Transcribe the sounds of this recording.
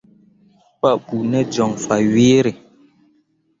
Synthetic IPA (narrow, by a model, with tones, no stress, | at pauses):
pa˦ʔku˨nɛ˦d͡ʒɔ˨ŋfa˨ɥeː˦ɾe˨